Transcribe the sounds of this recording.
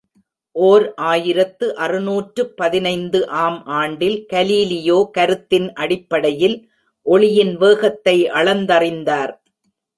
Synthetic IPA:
ʔoːɾʔaːjɪɾɐt̪ːɯʔɐrɯnuːʈrɯpːɐðɪnɐɪnd̪ɯʔaːmʔaːɳɖɪlkɐliːlɪjoːkɐɾɯt̪ːɪnʔɐɽɪpːɐɽɐjɪl | ʔɔɭɪjɪnʋeːɣɐt̪ːɐɪʔɐɭɐnd̪ɐrɪnd̪aːɾ

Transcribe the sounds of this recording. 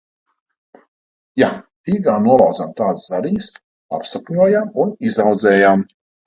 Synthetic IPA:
ja | iːɡaːnuɔlˠawd̪amt̪aːd̪szaɾiɲs | a̰psakɲuɔjamunizawd̪zɛːjam

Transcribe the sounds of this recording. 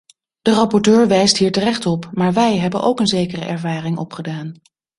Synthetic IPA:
d̥ərɑpɔɹtøːɹʋɛjstɦiːɹtərɛχtɔpmaːɹʋɛjɦɛbənʔowkənzejkərə̰ʔɛɹvaːrɪŋɔpχədaːn

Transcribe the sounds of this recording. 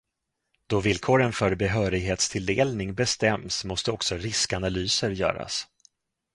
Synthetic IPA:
d̪̥ɔvɪlːkʰoːɾənfœɾbɛɦœːɾɪɡɦeːt̪st̪ʰɪld̪eːlnɪŋbɛst̪ɛmsmɔst̪əɔksɔɾɪskanalyːsəɾjœ̰ːɾa̰s

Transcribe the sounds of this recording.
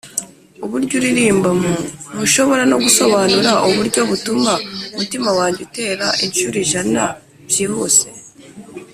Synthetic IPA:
uβuɾɟuɾiɾiːmbamunuʃo̞βo̞ɾano̞ɡuso̞βanuɾaʔuβuɾɟo̞βutumaumutimawaːɲɟute̞ːɾaʔenʃuɾiʒana | βjiːhuːse̞

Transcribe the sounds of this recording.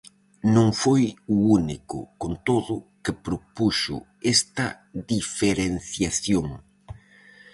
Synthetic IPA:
nõŋfojuunikʊ̰kont̪oðʊkɪpɾopuʃʊ̰ | est̪ɐ | ðifeɾenθjaθjoŋ

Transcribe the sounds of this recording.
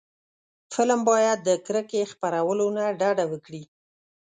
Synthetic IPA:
fɪlmbɑjad̪̚ːəkɾəkexpaɾawəlonaɖɑɖawəkɽi

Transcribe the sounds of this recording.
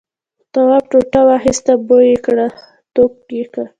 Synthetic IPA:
t̪awap̚ʈoʈawahist̪abojekɽa | t̪ok̚ɡika

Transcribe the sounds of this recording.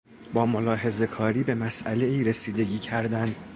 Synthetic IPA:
bɒːmo̞lɒːɦe̞ze̞kʰɒːɾiːbe̞mæsʔæle̞iːɾesiːd̪e̞ɟiːcʰæɾd̪æn

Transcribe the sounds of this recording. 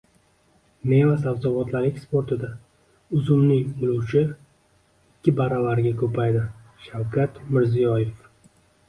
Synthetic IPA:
ne̞asawzɒbɒt̪laɾɪkʲspoɾt̪ʰɪd̪a | ʊzʊmnɪŋʊlˠuwt͡ʃʰɪ | ɪkʲːɪbaɾavaɾɡʲakʰɵpʰajd̪ɪ | ʃawkʲʰat̪mɪɾzijɒje̞f

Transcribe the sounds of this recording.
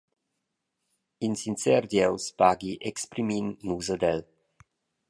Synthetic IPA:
insint͡sɛrd̪jɛwspaɡiʔɛkspɾiminːuzəd̪ɛl

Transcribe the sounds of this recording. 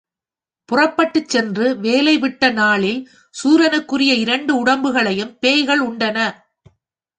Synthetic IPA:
pʊrɐpːɐʈːɯt͡ʃːɛndrɯʋeːlɐɪʋɪʈːɐnaːɭɪl | suːɾɐnɯkːɯrɪjɐɪɾɐɳɖɯʊɽɐmbɯɣɐɭɐjɯmpeːjɣɐɭʊɳɖɐnɐ

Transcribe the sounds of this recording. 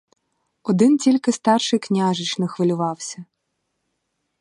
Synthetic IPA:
ɔd̪ɪntʲilʲkɪst̪ɑrʃɪjknʲaʒɪt͡ʃnɔxʋɪlʲʊʋɑwsʲɐ

